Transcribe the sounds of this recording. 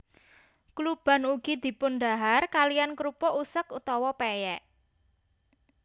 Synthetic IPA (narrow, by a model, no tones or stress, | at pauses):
klub̥a̤nuɡ̥i̤d̪̥i̤pʊnɖ̪aɦarkalijankɾupɔʔusəkut̪ɔwɔpejɛʔ